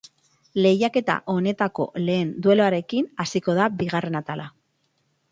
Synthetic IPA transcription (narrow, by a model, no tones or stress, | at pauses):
le̞jake̞t̪a̰ʔo̞ne̞t̪ako̞̰le̞ːnd̪we̞loaɾe̞kinasiko̞ðabiɣare̞nat̪ala